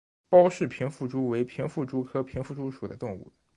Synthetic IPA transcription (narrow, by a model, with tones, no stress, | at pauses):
pɑ˥ʊʂɻ̩˥˩pʰi˧˥ŋfu˥˩ʈ͡ʂu˥we˧˥ɪpʰi˧˥ŋfu˥˩ʈ͡ʂu˥kʰɤ˥pʰi˧˥ŋfu˥˧ʈ͡ʂu˥ʂu˨˩d̪ə˦t̪ʊ˥˧ŋṵ˥˩